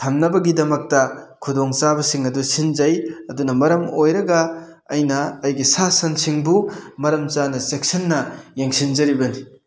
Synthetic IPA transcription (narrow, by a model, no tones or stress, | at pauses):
tʰɐmnɐbɐɡidɐmɐk̚tɐkʰudoŋt͡ʃabɐsiŋɐdusind͡ʒɐjɐdunɐmɐɾɐmojɾɐɡɐː | jnɐːjɡisasɐnsiŋbumɐɾɐmt͡ʃanɐsek̚sɐnːɐjeŋsind͡ʒɐɾibɐni